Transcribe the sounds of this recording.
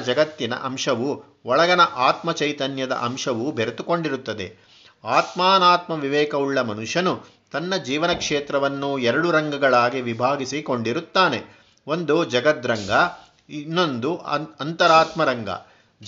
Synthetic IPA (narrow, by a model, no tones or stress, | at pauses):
d͡ʒɐɡɐt̪ːinɐ̰ʔɐmʂɐʋu | ɔɭɐɡɐnɐʔaːt̪mɐt͡ʃɐjt̪ɐnjɐd̪ɐ̰ʔɐmʂɐʋubʱeɾet̪uko̞ɳɖiɾut̪ːɐd̪e̞̰ | aːt̪maːnaːt̪mɐʋiʋɛːkɐuɭːɐmɐnuʂɐnu | t̪ɐnːɐd͡ʒiːʋɐnɐkʂeːt̪ɾɐʋɐnːuɛɾɐɽuɾɐŋɡɐɡɐɭaːɡiʋibʱaːɡisiko̞ɳɖiɾut̪ːaːne̞ | ond̪ud͡ʒɐɡɐt̪ɾɐŋɡɐ | inːo̞nd̪uɐnt̪ɐɾaːt̪mɐɾɐŋɡɐ̰